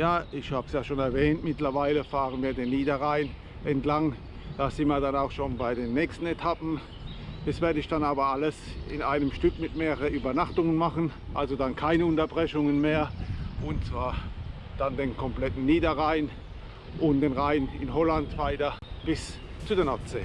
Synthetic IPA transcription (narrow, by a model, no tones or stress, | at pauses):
jaːɪçhaːbəsjaːʃoːnɛɐvɛːntmɪtlɐvaɪləfaːʁənviːɐdeːnːiːdɐʁaɪn | ʔɛntlaŋ | d̥aːsɪnmiːɐdanaʊxʃoːnbaɪdeːnːɛːkstn̩etʰapn̩ | d̥ɛsv̥ɛːɐdəɪçd̥anaːbɐʔaləsɪ̰nʔaɪnəmʃtʏkmɪtmeːʁəʁənʔyːbɐnaχtʊŋənmaχən | ʔalzodankʰaɪnəʊntɐbʁɛçʊŋənmeːɐʔʊnt͡sv̥aːɐ | d̥andeːnkʰɔmplɛtn̩niːdɐʁaɪn | ʔʊntd̥eːnʁaɪnɪ̰nɦɔlantv̥aɪtɐb̥ɪs | t͡sudeːɐnɔɐseː